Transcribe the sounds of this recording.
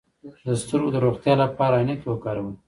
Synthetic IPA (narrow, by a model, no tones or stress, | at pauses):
d̪əst̪əɾɡod̪əɾoxt̪jɑlapɑɾaːnek̪wəkɑɾawə